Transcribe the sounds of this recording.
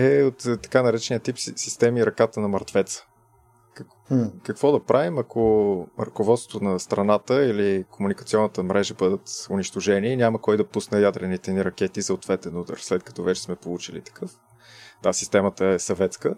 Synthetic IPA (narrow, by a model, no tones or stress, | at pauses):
ɛot̪ːɐ̥kanɐɾɛt͡ʃɛniət̪ipsist̪ɛmiɾɐkat̪ənɐmɐɾt̪vɛt̪sə̥ | kɐ | kɐkvɔd̪ɐpɾʔavimɐkoɾəkovɔt̪t̪ʊnɐst̪ɾɐnat̪əilikomunikɐt̪siɔnːət̪əmɾʔɛʒəbɤd̪ət̪ʊniʃt̪oʒɛniːnʲaməkɔjd̪ɐpusnəjad̪ɾɛnit̪ɛniɾɐk̟ɛt̪isoot̪vɛt̪ɛnud̪ə̰ɾslɛt̪kɐ̥t̪ɔvɛt͡ʃɛ̥smɛpolˠut͡ʃilḭt̪ɐ̥kɤf | d̪̥asist̪ɛmət̪əɛsɐvɛt̪skə